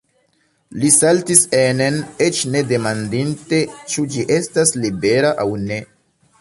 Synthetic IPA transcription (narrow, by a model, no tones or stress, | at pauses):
lisaltisenenet͡ʃne̞de̞mandinte̞t͡ʃud͡ʒiʔe̞staslibe̞ɾaʔawne̞